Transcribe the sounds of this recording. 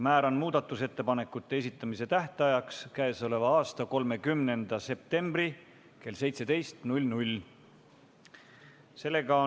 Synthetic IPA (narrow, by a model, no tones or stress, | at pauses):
mæːɾɑnmuːd̪ɑt̪ːˑuse̞t̪ːe̞pɑne̞kːˑut̪ːe̞es̬ʲit̪ːˑɑmise̞t̪æht̪eɑjɑkskæeso̞le̞vɑɑːst̪ɑko̞lme̞kymne̞nd̪̥ɑse̞p̚t̪e̞mb̥ri | ke̞lse̞jt̪se̞d̪e̞jst̪nulʲnulʲ | se̞lːe̞ɡ̥ɑ